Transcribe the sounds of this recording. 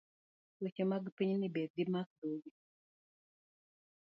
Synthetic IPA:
wet͡ʃɛmaɡpiɲnibed̪imak̚d̪oɡi

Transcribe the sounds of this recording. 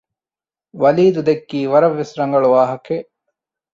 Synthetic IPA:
ʋɐliːd̪ud̪ekːiːʋɐɾɐʋːesɾɐŋɡɐɭuʋaːɦɐke

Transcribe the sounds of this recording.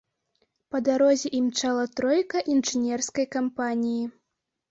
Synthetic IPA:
pɐd̪aɾɔzʲɛʔimt͡ʂalˠɐt̪ɾɔjkɐʔinʐɨnʲɛrskɐjkampanʲiji

